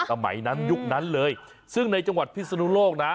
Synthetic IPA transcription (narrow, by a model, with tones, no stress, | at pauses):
a˨˩ma̰˨˩˦jna˨˦nzʊ˦˥p̚na˨˦˥nləː˨˧j | sɨ˦˥əŋna˧jt͡ɕu˧ŋwa˨˩t̚pʰi˧˥˩sa˧nu˧˦loː˧˩k̚na˨˦